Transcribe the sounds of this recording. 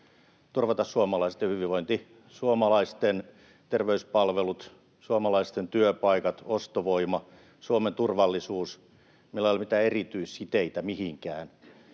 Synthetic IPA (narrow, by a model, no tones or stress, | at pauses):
t̪urʋɑt̪ɑssuomɑlɑise̥t̪jɑhyʋiʋoint̪i | suomɑlɑist̪en | t̪erʋeyspɑlʋelut̪ | suomɑlɑist̪ent̪yøpɑikɑt̪ost̪oʋoimɑ | suoment̪urʋɑlːisuːs | milːɑolʲmit̪æːerit̪yisːit̪eit̪æmihiŋkæːn